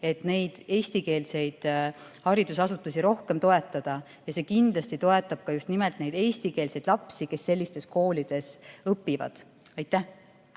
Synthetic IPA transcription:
e̞t̪ne̞jd̪̥e̞ːsʲt̪ike̞ːlse̞jd̪̥hɑɾid̪̥usɑsut̪ːˑusiɾo̞hke̞mt̪o̞e̞t̪ːˑɑd̪̥ɑ | jɑse̞ːkind̪̥lɑst̪it̪o̞e̞t̪ːˑɑb̥̚kɑjust̪nime̞lt̪ne̞jd̪̥e̞ːsʲt̪ike̞ːlse̞jd̪̥lɑpsike̞sːe̞lʲːist̪e̞sko̞ːlid̪̥e̞sɤpːivɑ̰d̪̥ | ɑjt̪ːˑæh

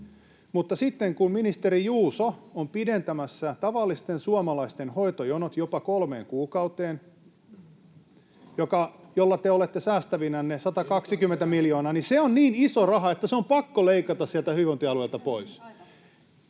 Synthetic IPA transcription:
mut̪ːɑsit̪ːeŋkumminist̪eɾijuːsoompident̪æmæsːæt̪ɑʋɑlːist̪ensuɑmɑlɑist̪enhoit̪ojonot̪jopɑkolmeːŋkuːkɑut̪eːn | jokɑjolːɑt̪eolet̪ːesæːst̪æʋinænːesɑt̪ɑkɑksikymːˑent̪æmiljoːnɑːniseonniːnisorɑɦɑet̪ːæseompɑkːoleikɑt̪ɑssiælt̪æhyʋont̪iɑlueilt̪ɑpois

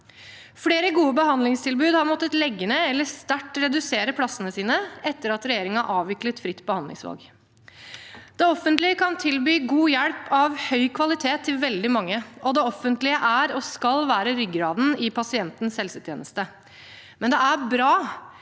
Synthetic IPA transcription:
fɽeːɾəɡuːəbəhɑnd̪lɪŋst̪ʰɪlbʉːd̪hɑɾmɔt̪ːət̪lɛɡːənəɛlːəst̪æʈːɾɛd̪ʉseːɾəpʰlɑsːənəsiːnəɛt̪ːəɾɑt̪ɾɛjeːɾɪŋɑʔɑːʋʋɪklət̪fɾɪt̪ːbəhɑnd̪ɪ̰ŋsʋɑ̰lɡ | d̪̥ɛɔfːənt̪lɪəkʰɑnt̪ʰɪlbyːɡuːjæɽpʰɑʋhœʏkʰʋɑlɪt̪ʰeːt̪ʰːɪlʋɛld̪ɪmɑŋːəʔɔd̪ɛɔfːənt̪lɪəʔæɾɔskɑlʋæːɾəɾʏɡɾɑːd̪n̩ɪpʰɑsɪɛnt̪n̩sɛlsət̪jḛːnəst̪ə | mɛnd̪ɛæɾbɾɑː

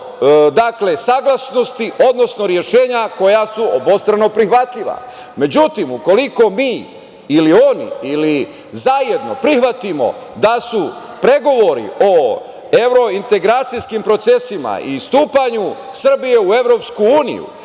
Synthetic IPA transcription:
d̪akle̞saːɡlˠasno̞st̪iʔo̞d̪no̞sno̞ɾje̞ʃe̞ːɲako̞jasuobo̞st̪ɾano̞pɾixʋat̪ʎiʋa̰ | me̞d͡ʑut̪imuko̞liko̞miː | lio̞nḭili | zaje̞d̪no̞pɾixʋat̪imo̞̰d̪asu | pɾe̞ɡoʋo̞ɾḭʔo̞ | eʋɾo̞int̪e̞ɡɾaːt̪sijskimpɾo̞t̪se̞sima̰ḭst̪uːpaɲu | sr̩bije̞ue̞ʋɾo̞pskuuːnḭjṵ

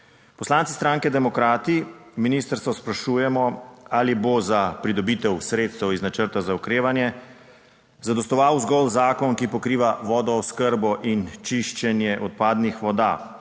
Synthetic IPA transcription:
pɔslantsi̥st̪ɾaːŋkɛd̪ɛmɔkɾaːt̪iminiːst̪əɾst̪ʋɔspɾaʃuːjɛmɔalibozapɾid̪ɔbiːt̪ɛwsɾeːt̪st̪ɛwiznat͡ʃəɾt̪azaukɾeːʋanjɛ | zad̪ɔst̪ɔʋawzɡɔlzaːkɔnkipɔkɾiːʋaʋɔːd̪ɔɔskəɾbɔʔint͡ʃiʃt͡ʃɛnjɛʔɔt̪̚paːd̪nixʋɔd̪a̰ː

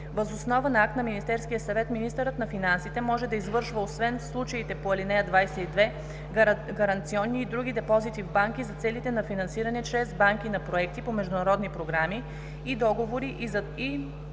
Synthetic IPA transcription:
vəzosnɔvənɐak̚t̪nɐminist̪ɛɾskijəsɐvɛt̪minist̪əɾət̪nɐfinansit̪ɛmɔʒɛd̪ɐizvɤɾʃvəosvɛnslˠut͡ʃɐit̪ɛpoɐlinɛjəd̪vajsɛid̪vɛ | ɡɐɾɐnt̪siɔnːiːd̪ɾuɡ̟ʲid̪ɛpɔzit̪ivbaŋkizɐt̪sɛlit̪ɛnɐfinɐnsiɾɐnɛt͡ʃɾɛzbaŋk̟inɐpɾoɛkt̪ipomɛʒd̪ʊnɐɾɔd̪nipɾoɡɾamiː | d̪ɔɡovoɾiʔ | i

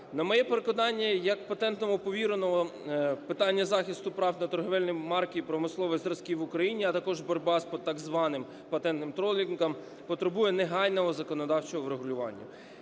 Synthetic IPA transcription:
nɐmɔjɛpeɾekɔd̪ɑnʲːɐjɐkpɐt̪ɛnt̪nɔɦɔpɔʋʲiɾɐnɔɦɔpɪt̪ɑnʲːɐzɑxʲɪst̪ʊpɾɑwnɐt̪ɔrɦɔʋɛlʲnɔjmɑrkʲiːpɾɔmɪslˠɔʋɔjzɾɐskʲiʋʊkɾɐjinʲiɐt̪ɐkɔʒbɔɾʲbɑspɔt̪ɑɡzʋɑnɪm | pɐt̪ɛnt̪nɪmt̪ɾɔlʲinkɐm | pɔt̪ɾebujɛneɦɑjnɔɦɔzɐkɔnɔd̪ɑwt͡ʃɔɦɔwɾeɦʊlʲʊʋɑ̰nʲːɐ̰

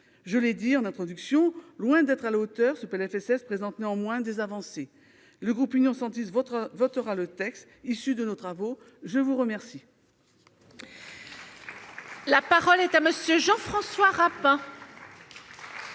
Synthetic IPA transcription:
ʒəled̪iɑ̃nɛ̃t̪χɔd̪yksjɔ̃lwɛ̃d̪ɛt̪χalaot̪œʁsəpɛlɛfɛsɛspχezɑ̃t̪neɑ̃mwɛ̃d̪ezavɑ̃se | ləɡʁupynjɔ̃sɑ̃t̪isvvɔt̪əʁalət̪ɛkst̪ | isyd̪ənot̪χavo | ʒəvuʁəmɛʁsi | lapaʁɔlɛt̪aməsjøʒɑ̃fχɑ̃swaʁapɛ̃

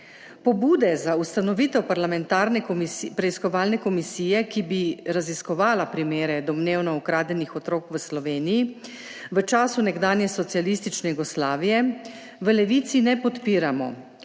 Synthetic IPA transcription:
pɔbuːd̪ɛzaust̪anɔʋit̪ɛwpaɾlamɛnt̪aːɾnɛpɾɛiskɔʋaːlnɛkɔmisiːjɛkibiɾaziskɔʋaːlapɾimeːɾɛd̪ɔmneːwnɔukɾaːd̪ɛnixɔt̪ɾoːkʋəslɔʋeːniji | ʋət͡ʃaːsunɛɡd̪aːnjɛsɔt̪sialist̪it͡ʃnɛjuɡɔslaːʋijɛ | ʋəlɛʋit̪sinɛpɔt̪piːɾamɔ̰

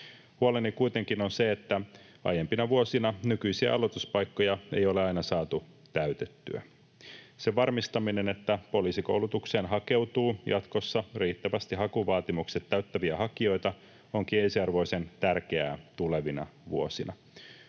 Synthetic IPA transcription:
huolenːikujt̪e̞ŋkinonse̞et̪ːæ | ɑ̰jempinɑʋuo̞sinɑnykyjsiæ̰ɑlo̞t̪uspɑjkːo̞jɑe̞̰jo̞leɑjnɑsɑːt̪u | t̪æyt̪et̪ːy̰æ̰ | seʋɑrmist̪ɑmine̞ne̞t̪ːæpo̞liːsiko̞̰wlut̪ukse̞ːnɦɑke̞wt̪uːjɑt̪ko̞sːɑriːt̪ːæʋæst̪iɦɑkuʋɑːt̪imukset̪ːæɥt̪ːæʋiæhɑkio̞jt̪ɑ | oŋk̟iensiɑrʋo̞jse̞nt̪ærk̟eæ̰ːt̪ule̞ʋinɑ̰ʋuosinɑ̰

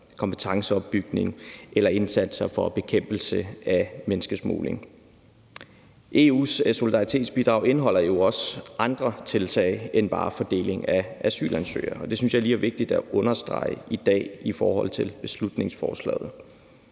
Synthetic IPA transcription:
kʰɒ̽mpʰə̥t͡sʰɑ̈ŋsəɒ̽b̥ːyɡ̥ne̝ŋʔelɐe̝nsæd̥sɐfɒ̽b̥e̝kʰem̰b̥l̩səæmenəsɡ̥əsmo̰ːle̝ŋ | ʔe̝ːṵːsso̝lid̥ɑ̈ʁit͡sʰe̝̰ːd̥sb̥id̥ʁɑ̈ʊe̝nəɦɒ̽l̰ɐjo̝ɒ̽sʔɑ̈nd̥ʁɐt͡sʰe̝lt͡sʰɛ̰ɪenb̥ɑ̈ːfɒd̥e̝̰ːle̝ŋæʔæsy̰ːlʔænsø̰ːɐɒ̽d̥e̝synsjɑ̈ɪliːæɐʋe̝ɡ̥̚d̥id̥æʔɔ̽nɐsd̥ʁɑ̰̈ɪəid̥ɛ̰ːifɒːhɒ̽l̰t͡sʰe̝lb̥e̝slud̥ne̝ŋsfɒ̰ːslɛ̰ːð̩ˠ

